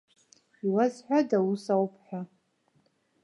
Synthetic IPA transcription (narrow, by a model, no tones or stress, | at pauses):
iwazħᶣʷadawusawpʰħʷᶣa